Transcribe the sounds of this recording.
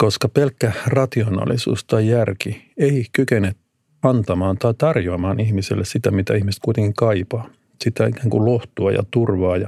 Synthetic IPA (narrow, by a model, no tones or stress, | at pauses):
koskɑpelkːærɑt̪ionɑ̰ːlisṵːst̪ɑijærkieikykenet̪ | ɑnt̪ɑmɑːnt̪ɑit̪ɑrjoɑmɑːnihmisḛlːessit̪æmit̪æ̰ihmist̪̚kuit̪eŋkiŋkɑipɑː | sit̪æikæːŋkuloht̪uɑjɑ̰t̪urʋɑːjɑ̰